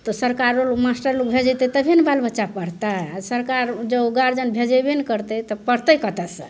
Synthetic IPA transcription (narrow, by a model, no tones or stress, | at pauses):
t̪ɔsəɾkaɾolokmasʈəɾlukbʱed͡ʒət̪ət̪əbʱinbalbətːʃapəɽt̪aasəɾkaɾd͡ʒəuɡaɾd͡ʒənbʱed͡ʒəbenkəɾt̪ət̪ɔpəɽt̪əjkət̪əsə̃